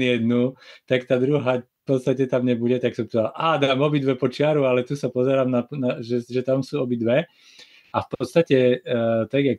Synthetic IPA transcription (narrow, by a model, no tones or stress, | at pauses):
ijɛd̪nut̪akt̪aːd̪ɾuɦaːfpɔt̪st̪acɛt̪amɲɛbuɟɛt̪aksɔmt̪ɛalʔaːd̪aːmɔbid̪ʋɛpɔt͡ʃɪaɾualɛt̪usapɔzɛɾaːmnanaʒɛʒɛt̪amsuːɔbid̪ʋɛ | afpɔt̪st̪acɛt̪aɡjak